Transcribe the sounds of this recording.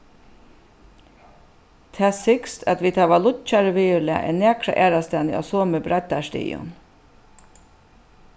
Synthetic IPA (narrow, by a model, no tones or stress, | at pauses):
t̪ʰɛːsɪkst̪ʰa̰t̪ʋiːt̪ʰaʋalʊt͡ʃaɾəʋiːlɪa̰ʔɛ̰nɛːkɾa̰ʔæːɾast̪ɛːnɪʔɔ̰soːməbɾat̪aʃtḭːjʊ̰n